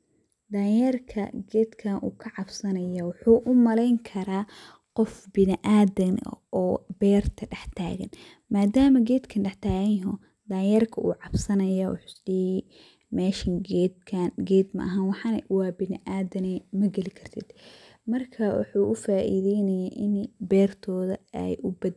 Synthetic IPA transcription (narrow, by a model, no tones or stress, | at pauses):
d̪aːjɛrkʰɐ̰ɡɛːd̪kʰɐnʔṵːkʰɐʕɑbsɐnɐjɐwʊħuːʔʊmɐlɛjŋkʰɐɾaː | qɔfbɪnɪʔaːðɐn̰ʔɔːbɛːrt̪ʰɐɖɛħt̪ʰa̰ːɣɐ̰n | maːd̪aːmɐɡɛːd̪kʰɐnɖɛħt̪ʰaːɣɐnjɦɔ | d̪aːjɐrkʰɐʔṵːʕɑbsɐnɐjawʊ̰ħʊ̥sdɛ | mɛːʃɐŋɡɛd̪kʰanɡɛːd̪mɐ̰ʔɐɦɐnwɑħɑnwɑːbɪnɪʔaːdɐnɛmɐɡɐlɪkʰɐrt̪ʰɪd̪ | mɐrkʰɐwʊ̰ħuːʔʊfaːʔḭðɛjnɐjaːʔɪnbɛːrt̪ʰɔːðɐɛ̰jʔʊbɐd̪